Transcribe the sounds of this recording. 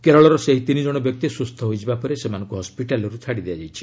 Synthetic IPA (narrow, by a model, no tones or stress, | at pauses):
keɾɔɭɔɾɔseɦit̪inid͡ʒɔɽ̃ɔbjɔk̚t̪isust̪ʰɔɦojd͡ʒʰibapɔɾesemanɔ̃ŋkuɦɔspiʈalɔɾut͡ʃʰaɽid̪ead͡ʒajt͡ʃʰi̥